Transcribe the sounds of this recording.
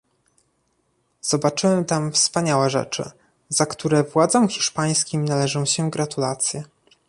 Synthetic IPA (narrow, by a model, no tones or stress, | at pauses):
z̥ɔbat͡ʂɘwɛmt̪amfspaɲawɛʐɛ̰t͡ʂɘ̰ | zakt̪uɾɛvwad̪zɔmxʲiʂpaj̃skʲimnalɛʐɔ̃w̃ɕɛɡɾat̪ulat̪sʲjɛ